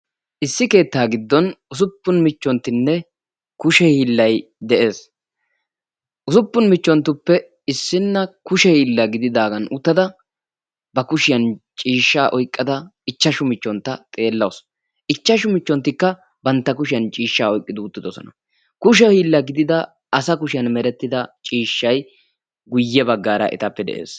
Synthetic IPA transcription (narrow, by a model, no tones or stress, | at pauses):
ʔɪsːɪke̞ːt̪ːaːɡɪd̪ːɔnʊs̬ʊpːʊnmɪt͡ʃːɔnt̪ːɪnːɛ | kʊʃɛhiːlːɐjd̪ɛʔe̞ːs | ʔʊsʊpːʊnmɪt͡ʃːɔnt̪ːʊpːɛ | ɪsːɪnːɐkʊʃɛhiːlːɐɡɪd̪ɪd̪aːɡɐnʊt̪ːɐd̪ɐ | bɐkʊʃɪjɐnt͡ʃʼiːʃːaːʔɔjkʼːɐd̪ɐɪt͡ʃːɐʃʊmɪt͡ʃːɔnt̪ːɐt̪ʼe̞ːlːɐws | ɪt͡ʃːɐʃʊmɪt͡ʃːɔnt̪ːɪkːɐ | bɐnt̪ːɐkʊʃɪjɐnt͡ʃʼiːʃːaːɔjkʼːɪd̪ʊːt̪ːɪd̪ɔsɔ̰nɐ̰ | kʊʃɛhiːlːɐɡɪd̪ɪd̪ɐː | sɐkʊʃɪjɐnmɛɾɛt̪ːɪd̪ɐt͡ʃʼiːʃːɐj | ɡʊjːɛbɐɡːaːɾɐ̰ʔɪ̰t̪ɐpːɛd̪ɛ̰ʔḛːs